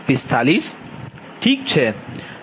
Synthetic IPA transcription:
fɪst̪ʰaːlis | ʈʰiːk̚t͡ʃʰe

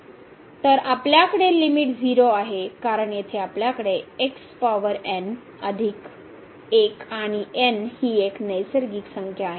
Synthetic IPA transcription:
t̪əɾapljakəɽelimiʈd͡ziɾoaɦekaɾəɳjet̪ʰeapljakəɽeekspaʋəɾɛn | əd̪ʱik | ekaɽ̃iʔenhiːeknəjsəɾɡiːksəŋkʰjaːɦe

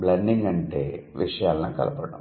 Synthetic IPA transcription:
blɐɳɖiŋɡɐɳʈeːʋʔiʂɐjaːlɐnaːkɐ̰lʔɐpɐɽɐm

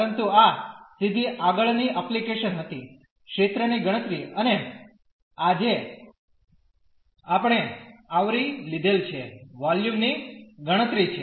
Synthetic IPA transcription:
ɾənt̪uasid̪ʱiʔaɡəɭniʔəplikeʃənɦət̪i | kʃet̪ɾəniɡəɽ̃ət̪ɾiəne | ad͡ʒe | apəɽ̃eaʋɾilid̪ʱelt͡ʃʰeʋaljumniɡəɽ̃ət̪ɾit͡ʃʰe

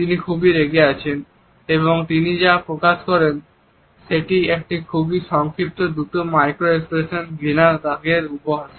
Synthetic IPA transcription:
t̪inikʰubiɾeɡeat͡ɕʰen | eβoŋt̪inid͡ʑapɾokaʃkɔɾen | ʃeʈiek̚ʈikʰubiʃɔŋkʰɾip̚t̪od̪ut̪omajkɾoekspɾeʃonbinaɾɡaɡeɾupoɦaʃ

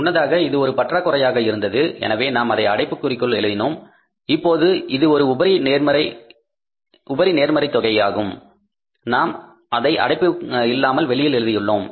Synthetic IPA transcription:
ʊnːɐðaːɣɐɪðɯɔɾɯpɐʈraːkːʊrɐjaːɣɐɪɾɯnd̪ɐðɯɛ̰nɐʋeːnaːmɐðɐɪɐɽɐɪpːɯkːʊrɪkːɯɭɛɻɯðɪnoːm | ɪpːoːðɯɪðɯɔɾɯʊbɐɾɪneːɾmɐɾɐɪ | ʊbɐɾineːɾmɐɾɐɪt̪ːɔɣɐjaːɣɯm | naːm | ɐðɐɪʔɐ̰ɽɐɪpːɯɪlːaːmɐlʋɛɭɪjɪlɛɻɯðɪjɯɭːoːm

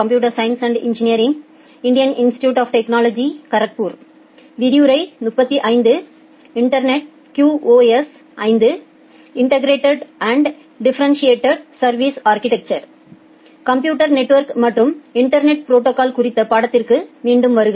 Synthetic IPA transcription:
kɐmpjuːʈ̬ɐɾsɐjɐnsɐɳɖɪ̰ɲd͡ʒɪnɪjɐɾɪŋ | ɪɳɖɪjɐnɪnsʈɪ̥ʈjuːʈaːfʈɛknaːlod͡ʒikɐɾɐk̚puːɾ | ʋɪɾijuːɾɐɪnʊpːɐt̪ːiʔɐɪnd̪ɯ | ɪɳʈɐɾnɛʈ̚ | kjuːoːes | ɐɪnd̪ɯ | ɪɳʈɐɡɾeːʈɐɖɐɳɖ | ɖɪfɐɾɐnsieːʈːɐɖsɐɾʋiːsaːɾkɪʈɛk̚t͡ʃɐɾ | kɐmpjuːʈɐɾnɛʈːʋɐɾkmɐʈrɯmɪɳʈɐɾnɛʈ̚pɪɾoːʈːokaːlkʊɾɪt̪ːɐpaːɽɐt̪ːɪrkɯmiːɳɖɯmʋɐɾɯɣɐ

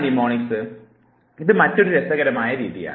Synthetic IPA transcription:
nimoːnɪŋsɯ | ɪðɯmɐtːɔɾɯɾɛsɐɣɐɾɐmaːjɐɾiðɪ̰ja̰ː

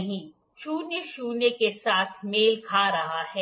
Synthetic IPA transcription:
ɦĩː | ʃuːnjəʃuːnekesaːt̪ʰmeːlkʰaːɾɐɦaɦɛː

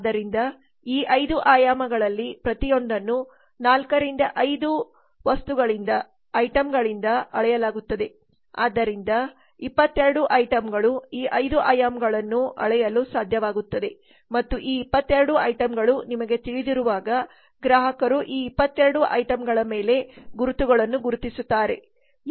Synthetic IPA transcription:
aad̪ːɐɾind̪ɐ | iːʔɐjd̪uʔaːjaːmɐɡɐɭɐlːipɾɐt̪ijo̞ɳɖɐnːu | naːlkɐɾind̪ɐʔɐjd̪u | ʋɐst̪uɡɐɭind̪ɐ | ɐjʈɐmɡɐɭind̪ɐɐɭɛjɐlaːɡut̪ːɐd̪e̞ | a̰ːd̪ːɐɾind̪ɐ | ipːɐt̪ːeɾɐɽuʔɐjʈɐmɡɐɭuiːʔɐjd̪uʔɐjɐmɡɐɭɐnːuɐ̰ɭɛjɐlusaːd̪ʱjɐʋaːɡut̪ːɐd̪e̞ | mɐt̪ːuʔiːpːɐt̪ːeɾɐɽuɐjʈɐmɡɐɭunimɐɡe̞t̪iɭid̪iɾuʋaːɡɐ | ɡɾaːɦɐkɐɾuʔiːipːɐt̪ːeɾɐɽuʔɐ̰jʈɐmɡɐɭɐme̞ːle̞ɡuɾut̪uɡɐɭɐnːuɡuɾut̪isut̪ːaːɾe̞̰

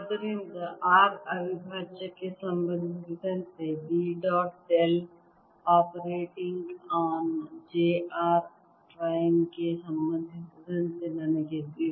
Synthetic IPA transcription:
d̪əɾind̪əʔaːɾɐbʱibʱaːt͡ʃəkesɐ̃mbə̃nd̪ʱʋɪd̪ʱənsebiɖɔːʈel | ɔːpəɾeːʈɪ̃ŋɡaːnd͡ʒeːaːɾ | ʈɾaːɪmkesɐ̃mbə̃nd̪ʱɪt̪ʋɪd̪ʱənselaːnekebi

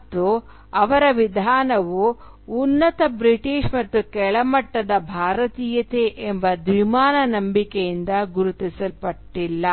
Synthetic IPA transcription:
t̪ːu | ɐʋɐɾɐʋid̪ʱaːnɐʋuː | nːɐt̪ɐbɾiʈiːʂmɐt̪ːukɛɭɐmɐʈːɐd̪ɐbʱaːɾɐt̪iːjɐt̪eʔembɐd̪ʋimaːnɐnɐmbikejind̪ɐɡuɾut̪isɐlpɐʈːilːɐ

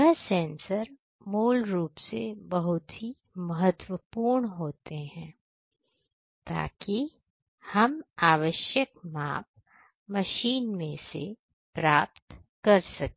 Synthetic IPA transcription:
ɛɦsɛ̃ːnsəɾ | moːlɾuːpsebɐɦʊt̪ɦi | mɐɦət̪wəpuːɾɳɦoːt̪eɦɛ̃ː | t̪a̰ːki | hɐmaːʋəʃjəkma̰ːp̚ | mɐʃiːnmẽse | pɾaːpt̪ | kɐɾsɐk̪̚ː

